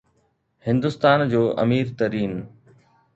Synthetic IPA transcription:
hɪ̃nd̪ʊst̪aːnd͡ʑoːʔɐ̰miːɾt̪ɐɾiːn

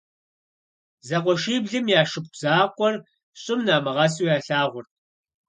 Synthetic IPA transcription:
zɐqʷɔʃiːbɮɨmjaːʂɨp̚ʷʰʼzaːkʷʼɔr | ɕʼɪmnaːmɐʁɐsuːjaːɬaːʁʷʊrt̚ʰ

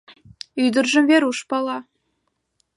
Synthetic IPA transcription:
yd̪ɘ̆rʒɘ̆mvʲeɾuʂpɑlˠɑ

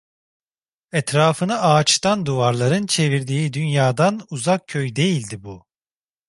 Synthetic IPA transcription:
ɛt̪ɾaːfɯnɯʔaːt͡ʃt̪and̪uvaɾlˠaɾɯnt͡ʃʰe̞viɾd̪iːd̪ynjaːd̪anuzak̚cʰøjd̪e̞jilʲd̪ibu

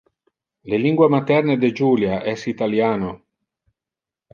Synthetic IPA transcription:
leliŋɡwamat̪ɛrned̪ed͡ʒuːljaʔɛsit̪aljaːno

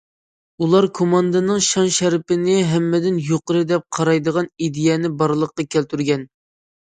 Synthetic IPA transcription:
ulˠɑɾkʰomɑnd̪ɨnɨŋʃɑnʃæɾpɪnɪɦɛmːɪd̪ɪnjoqəɾɨd̪ɛp̚qʰɑɾɑjd̪əʁɑnid̪ɪjɛnɪbɑɾlˠəqːɑkʲʰælt̪ʰyɾɡʲɛn

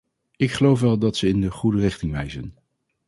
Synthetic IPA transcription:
ɪkχəlowfʋɛlˠdɑtsəɪndəχudərɪχtɪŋʋɛjzə̰n

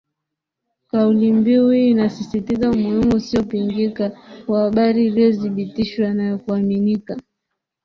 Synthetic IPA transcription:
kaulimbiuhiːnasisitizaumuhimuusiɔpiŋɡikakwahaɓaɾiːliɔziɓitiʃwanakuaminika

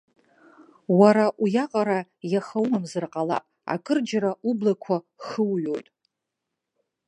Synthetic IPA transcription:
waɾaʔujaqʼaɾajaχawmamzɨrqʼala̰pʼa̰kʰʼɨrd͡ʒaɾaʔublakʷʰa | χəwɥojtʼ

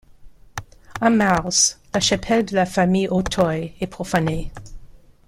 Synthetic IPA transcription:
amaʁzlaʃapʰɛld̪əlafamijʔotʰɔjɛpχofane

